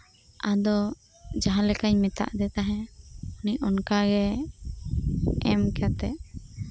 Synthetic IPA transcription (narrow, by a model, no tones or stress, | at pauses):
ʔad̪ɔ | d͡ʒaɦãlɛkaɲmɛt̪a̰ʔd̪ɛt̪aɦɛ̃uniɔnkaɡɛ | ɛmkat̪ɛʔ